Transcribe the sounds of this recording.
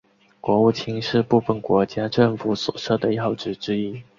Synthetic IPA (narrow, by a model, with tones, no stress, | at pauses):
kwɔ˧˥u˥˩t͡ɕʰi˥ŋʂɻ̩˥˧pu˥˧fə˥˩nkwɔ˧˥t͡ɕja˥ʈ͡ʂɤ˥˩ŋfu˧˥swɔ̰˨˩ʂɤ˥˩d̪ə˩jɑ˥˩ʊʈ͡ʂɻ̩˧˥ʈ͡ʂɻ̩˥i˥